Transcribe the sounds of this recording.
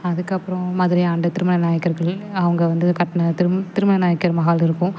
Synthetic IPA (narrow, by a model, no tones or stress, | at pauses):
ɐðɯkːɐpːɯɾɔ̃maːðɪɾɪaːɳɖɐt̪ɪɾɯmɐnɐnaːjɐkːɐɾɣɐɭɐʋɐŋɡɐʋɐnd̪ɯkɐʈːnɐɾt̪ɪɾɯmɐnɐnaːjɐkːɐɾmɐɣaːlɪɾɯkːʊ̃